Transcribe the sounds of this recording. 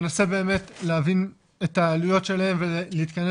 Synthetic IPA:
nasebe̞ːme̞tleavin | et̪aːlujo̞tʃe̞lahe̞mveliiːt̪kane

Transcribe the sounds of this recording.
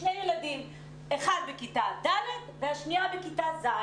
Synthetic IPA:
nejjeladim | eχad̪bekitad̪alet̪veaʃniabekitaza

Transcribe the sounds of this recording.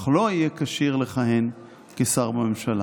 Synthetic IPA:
χloijekaʃiʁleχaɦen | kesaʁbamemʃala̰

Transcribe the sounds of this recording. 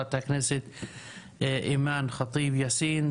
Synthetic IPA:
t̪aknɪsɪt̪ | ʔiːmaːnxɑt̪ˤiːbjasiːn

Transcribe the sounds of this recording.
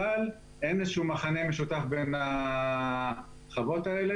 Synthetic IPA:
al | ʔenezʃumaχanemeʃut̪afbena | χavo̞t̪aele

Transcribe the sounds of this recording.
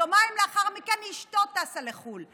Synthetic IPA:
omajmleaχaʁmikenhiʃtot̪asaleχul

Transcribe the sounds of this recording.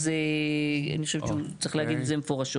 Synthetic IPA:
ze | a̰nixχoʃevʃut͡sʁixleaɡid̪zemefoʁaʃo

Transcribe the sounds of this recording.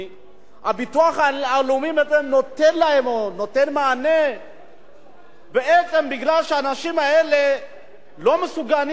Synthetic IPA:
abit̪uaχaalumimet͡semno̞t̪enlahe̞monote̞nmaːne | beet͡se̞mbiɡlalʃeanaʃimaele̞ | lo̞mesuɡan

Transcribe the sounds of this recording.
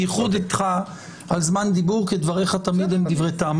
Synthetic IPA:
iχud̪it̪χa | alzmand̪ibuʁked̪vaʁeχat̪amid̪imd̪ivʁejt̪am

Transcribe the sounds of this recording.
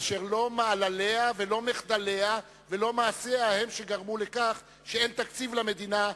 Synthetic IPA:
ʃeʁlo̞maːlaleavelo̞meχd̪ale̞a | velo̞maːseahemʃe̞ɡaʁmulekaχ | ʃeent̪akt͡sivlame̞d̪ina

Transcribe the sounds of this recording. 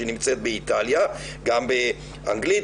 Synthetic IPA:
enimt͡se̞t̪̚beit̪alja | ɡambe | ʔa̰ŋɡlit

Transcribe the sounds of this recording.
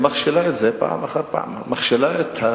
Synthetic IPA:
maχʃelaet̪zepa̰ʕa̰maχaɾpa̰mmaχʃelaet̪ha

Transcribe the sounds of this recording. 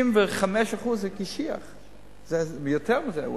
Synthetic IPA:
ɪmvɪχamɛʃaχuzɛkɪʃia̰χ | zɛmɪjɔtʰɛʁmɪzɛ

